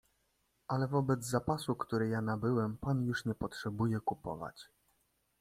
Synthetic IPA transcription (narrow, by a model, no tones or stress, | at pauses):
ʔalɛvɔbɛd̪zzapasukt̪uɾɘjanabɘwɛmpanjuʂɲɛpɔtʂɛbujɛkupɔ̰va̰t͡ɕ